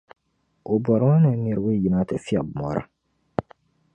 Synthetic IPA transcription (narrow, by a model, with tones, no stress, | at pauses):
o˨bɔ˨ɾã˦nã˨˦mi˨˦ɾwe˦˨ji˨na˨˦tɛ˨fi˦a̰˨bmɔ˨˦ɾʔa̰˨